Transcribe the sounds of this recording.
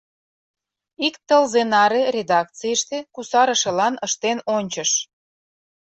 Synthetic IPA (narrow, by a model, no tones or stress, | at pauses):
ikt̪əlzenɑɾerʲed̪ɑk̚t͡sijəʃt̪ekusɑɾə̆ʃelɑnəʃt̪enonʲt͡ɕə̆ʃ